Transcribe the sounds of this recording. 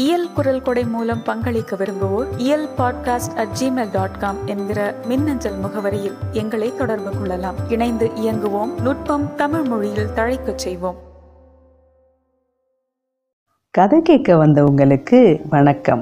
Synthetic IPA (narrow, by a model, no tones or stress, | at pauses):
ɪjɐlkʊɾɐlkɔɽɐɪmuːlɐmpɐŋɡɐɭɪkːɐʋɪɾɯŋɡɯʋoːɾɪjɐlpaːɖkaːsʈɐʈ̚d͡ʒiːmeːlɖaːʈkaːmɛnɡɪɾɐmɪnːɐɲd͡ʒɐlmʊɣɐʋɐɾɐjɪlɛŋɡɐɭɐɪt̪ːɔɽɐɾbɯkːɔɭːɐlaːmɪɳɐɪnd̪ɯʔɪjɐŋɡɯʋoːmnʊʈ̚pɐmt̪ɐmɪɻmʊɻɪjɪlt̪ɐɻɐɪkːɐt͡ʃːɛjʋoːm | kɐðɐɪkeːʈkːɐʋɐnd̪ɐʊŋɡɐɭɯkːɯʋɐɳɐkːɐm